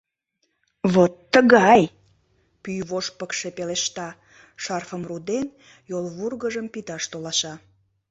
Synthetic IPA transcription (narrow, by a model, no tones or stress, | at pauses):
βot̪ːəɣɑj | pyjβoʃpəkʃe̽peleʃt̪ɑ | ʃɑrfəmrud̪en | jolβurɣəʒəmpit̪ɑʃt̪olɑʃɑ